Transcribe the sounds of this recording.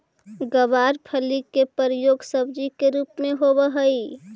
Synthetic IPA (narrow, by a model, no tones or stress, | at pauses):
ɡəbaːɾpʰəlikepəɾjoːɡsəbd͡ʒikeɾuːpmẽɦobəɦəi